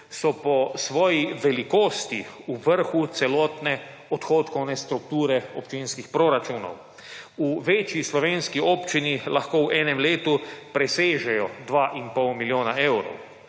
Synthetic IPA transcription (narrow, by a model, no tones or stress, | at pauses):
sɔpɔsʋɔːjiʋɛlikoːst̪iuʋəɾxut̪sɛlɔːt̪nɛ | ɔt̪xoːt̪kɔwnɛst̪ɾuk̚t̪uːɾɛɔpt͡ʃinskixpɾoɾat͡ʃuːnɔ̰w | uʋeːt͡ʃjislɔʋeːnskioːpt͡ʃinilaxkoːwʔɛːnɛmleːt̪upɾɛseːʒɛjɔd̪ʋaːʔinpɔwmiljoːnaʔewɾɔ̰w